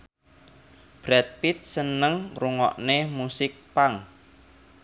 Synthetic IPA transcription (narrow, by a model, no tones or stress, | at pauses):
b̥ɾɛt̪̚pit̪̚sənəŋruŋɔ̰ʔnemusɪk̚paŋ